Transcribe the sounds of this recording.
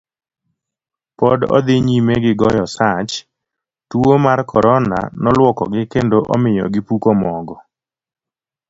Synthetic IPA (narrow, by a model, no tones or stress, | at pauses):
pɔdɔ̰d̪ɪɲimeɡɪɡɔjɔsat͡ʃ | tuomarkʰɔɾɔna̰nɔlwɔkɔ̰ɡɪkendoʔɔ̰mɪjɔ̰ɡɪpukomɔɡɔ